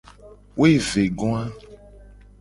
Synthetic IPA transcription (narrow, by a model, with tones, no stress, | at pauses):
wʔo˦e˦˨ve˨ɡɔ̃˦a˦